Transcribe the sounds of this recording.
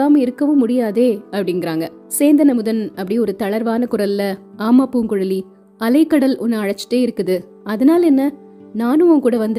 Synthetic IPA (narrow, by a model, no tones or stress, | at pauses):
aːmɪɾɯkːɐʋɯmːʊɽɪjaːðeːɐpːɐɽɪŋɡɪɾaːŋɡɐ | seːnd̪ɐnɐmɯðɐnɐpːɐɽiɔɾɯt̪ɐɭɐɾʋaːnɐkʊɾɐlɪlɐaːmːɐpuːŋkʊɻɐli | ɐlɐɪkːɐɽɐlɔnːɯɐɻɐt͡ʃːɪ̥ʈːeːɪɾɯkːɯðɯ | ɐðɐnaːlɛnːɐ | naːnɯ̃ʊŋkuːɽɐʋɐnd̪